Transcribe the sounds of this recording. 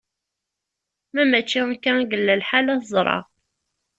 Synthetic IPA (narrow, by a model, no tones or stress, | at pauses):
mæmæt͡ʃːikːæɡəlːælħalæθzˤɾˤɑ̰